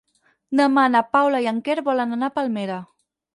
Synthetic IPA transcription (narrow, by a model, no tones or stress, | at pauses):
nəmanapawlaiaŋkeɾβɔlənanapalˠmeɾə